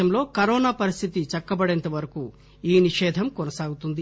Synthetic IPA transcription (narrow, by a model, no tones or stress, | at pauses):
ɐmlo̞ːkɐɾoːnaːpɐɾist̪ʰit̪it͡ʃɐkːɐbɐɽent̪ɐʋɐɾɐku | iːniʃɛːd̪ʱɐmkɔnɐsaːɡut̪und̪i